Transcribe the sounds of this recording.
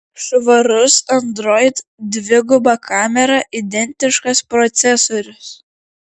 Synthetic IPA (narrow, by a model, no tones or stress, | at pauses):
ʃʋɐɾʊsɐnd̪ɾɔɪt̪d̪ʲʋʲɪɡʊbɐkʰɑːmʲɛɾɐʔɪd̪ʲɛnʲt̪ʲɪʃkɐspɾɔt̪sʲɛsoːɾʲʊs